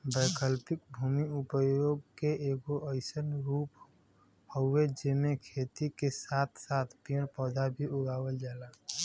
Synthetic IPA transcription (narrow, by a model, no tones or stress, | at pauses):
bəjkəlpɪk̚bʱuːmiʊpəjoɡ̚keeːɡoʔəɪsənɾuːp | hoed͡ʒemẽkʰeːt̪ikesaːt̪ʰsaːt̪ʰpĩpɔːd̪abʱiʊɡaːwəld͡ʒaːlaː